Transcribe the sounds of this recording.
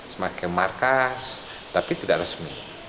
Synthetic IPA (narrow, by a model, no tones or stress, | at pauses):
səmakamarkas | t̪apit̪idaʔrəsmḭ